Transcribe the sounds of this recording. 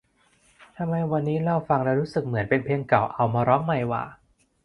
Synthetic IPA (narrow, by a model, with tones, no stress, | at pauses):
t̪ʰa˧mːa˧jwa˧nːiː˦˥la˧˥˩wfa˧ŋlɛ˦˥wɾuː˦˥sɯ˨˩k̚mɯ˩˦ənpe˧npʰi˧əŋka˨˩wʔa˧wmaː˧ɾɔː˦˥ŋma˧˩jwa̰ː˨˩